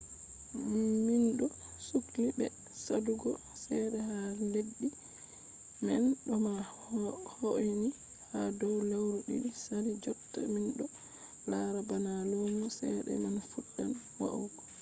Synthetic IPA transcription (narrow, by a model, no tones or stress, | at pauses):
minɗɔsukdibɛ̰ | saduɡɔ | sɛɗɛhandeɗːi | mɛnɗɔma | hoini | hadɔwlawɾuɗḭɗisaɾid͡ʒɔtːa̰minɗɔ | laɾabanalomusɛ̰ɗɛ̰manfuɗːan | wa̰u